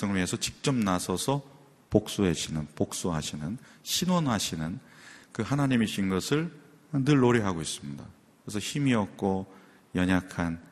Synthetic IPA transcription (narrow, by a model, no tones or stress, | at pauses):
sʰʌŋmiesʰʌt͡ɕik̚t͡ɕ͈ʌmnasʰʌsʰʌ | pok̚s͈uɦeɕʰinɯnpok̚s͈uɦa̰ɕʰinɯnɕʰinwʌnɦaɕʰinɯnkɯhanaɲimiɕʰinɡʌsʰɯɭ | nɯɭːoɾiɦaɡois͈ɯmɲida̰ | kɯɾes̬ʰʌçimiʌk̚k͈o | jʌɲakʰan